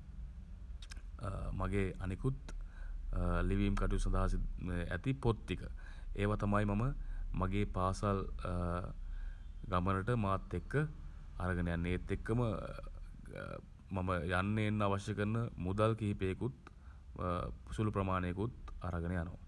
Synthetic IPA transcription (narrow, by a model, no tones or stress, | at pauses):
maɡeːanikut̪ | liʋiːmkaʈujusɐnd̪aɦas̬iæ̰t̪ipot̪ːikə̰ | eːʋat̪amajmaməmaɡeːpaːsal | ɡamənəʈəmaːt̪ːekːə | aɾaɡənəjanːeːt̪ːekːəmə | maməjanːeːnːaʋaʃjəkənːəmud̪alkiɦipeːkut̪ | pusulupɾəmaːnekut̪a̰ɾaɡənəjanoʋ̰